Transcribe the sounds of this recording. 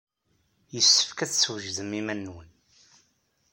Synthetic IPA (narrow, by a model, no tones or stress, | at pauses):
jəsːə̥fkæt͡sswʒðəmimænːwən